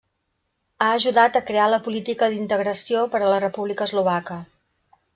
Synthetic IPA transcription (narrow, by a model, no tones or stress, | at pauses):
aəʒuðat̪əkɾealəpulit̪ikəðint̪əɣɾəsiopəɾələrəpuβlikəzluβ̞akə